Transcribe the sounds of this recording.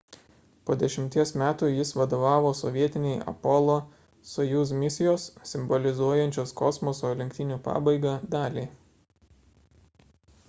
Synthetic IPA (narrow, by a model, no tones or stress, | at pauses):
poːd̪ʲɛʃʲɪmʲt̪ʲiɛsmʲæːt̪uːjɪsʋɐd̪oːʋɑːʋoːsɔʋʲiɛt̪ʲɪnʲɛɪɐ̰pɔlˠoː | sɔjuːs̬mʲɪsʲɪjoːssːʲɪmbɔlʲɪzuɔjɛnʲt͡ʃʲoːskɔsmɔsoːlʲɪŋʲkʲt̪ʲɪnʲuːpɑ̰ːbɐɪɡɑd̪ɑːlʲeː